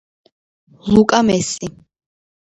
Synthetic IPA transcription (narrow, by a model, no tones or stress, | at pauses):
lukʼamɛsʼi